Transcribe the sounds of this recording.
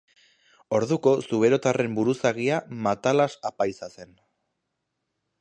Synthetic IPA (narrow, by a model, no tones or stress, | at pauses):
o̞ɾðuko̞suβe̞ɾo̞t̪are̞mbuɾusaɣiamat̪alasapajsase̞n